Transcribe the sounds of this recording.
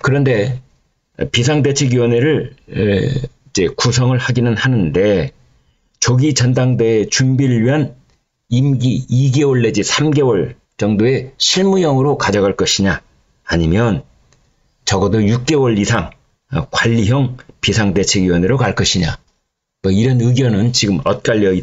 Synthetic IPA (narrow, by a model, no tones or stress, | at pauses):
kɯɾʌnde̞ | pis̬ʰaŋde̞t͡ɕʰe̞ɡjiwʌneɾɯɭ | id͡ʑe̞kusʰʌŋɯɭhaɡinɯnhanɯnde̞ | t͡ɕʌɡit͡ɕʌndaŋdeet͡ɕumbiɾɯɭɥiɦan | imɡiiɡe̞wʌɭːe̞d͡ʑisʰamɡe̞wʌɭ | t͡ɕʌŋdoe̞ɕʰiɭmujʌŋɯɾokad͡ʑʌɡaɭk͈ʌɕʰiɲaː | ɲimjʌn | t͡ɕʌɡʌdojuk̚k͈e̞wʌɭisʰaŋ | ʌkwaʎːiɦjʌŋpisʰaŋde̞t͡ɕʰe̞ɡjiwʌneɾokaɭk͈ʌɕʰiɲa̰ | mʌiɾʌnɯɡjʌnɯnt͡ɕiɡɯmʌt̚k͈aʎːiʌi